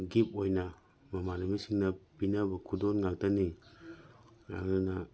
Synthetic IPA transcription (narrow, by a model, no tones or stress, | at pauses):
ɡip̚ojnɐ | mamanamisiŋnɐpinabɐkʰudonŋaltani | ɾa̰ŋnana